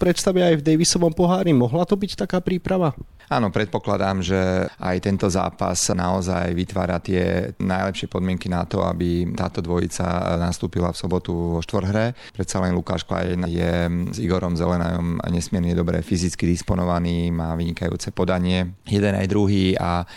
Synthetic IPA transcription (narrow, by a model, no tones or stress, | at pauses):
pɾɛt̪st̪aʋɛajvd̪ɛjʋisɔʋɔmpɔɦaːɾimɔɦlat̪ɔbict̪akaːpɾiːpɾaʋa | aːnɔpɾɛt̪̚pɔklad̪aːmʒɛʔa̰jt̪ɛnt̪ɔza̰ːpa̰snaɔza̰jʋit̪ʋa̰ːɾat̪ɪɛ̰najlɛpʃɪɛpɔd̪mɪɛŋkinat̪ɔ̰a̰bit̪aːt̪ɔd̪ʋɔjḭt͡sa̰nast̪uːpilafsɔbɔt̪uʋɔʃt̪ʋɔr̩ɾɦɾɛpɾɛt̪salɛnluka̰ːʃkla̰jɛnajɛziɡɔɾɔmzɛlɛna̰jɔmɲɛsmɪɛɾɲɛd̪ɔbɾɛ̰fizit͡skid̪ispɔnɔʋaniːmaːʋiɲikajṵːt͡sɛpɔd̪aɲɪɛjɛd̪ɛna̰jd̪ɾuɦiːa